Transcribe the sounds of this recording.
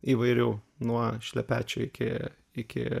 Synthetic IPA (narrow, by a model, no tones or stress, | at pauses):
iːʋɐɪɾʲɛʊnuɔʃʲlʲɛpʲæːt͡ʃʲʊɪkʲɪ̰ | ɪkʲɪ̰